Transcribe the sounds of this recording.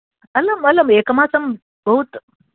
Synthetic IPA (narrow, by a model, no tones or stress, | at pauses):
ɐlɐmɐlɐmeːkɐmaːsɐm | bɐɦut̪